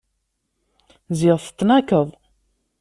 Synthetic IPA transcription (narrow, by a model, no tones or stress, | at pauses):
ziʁθə̥t͡s̪ːnækəðˤ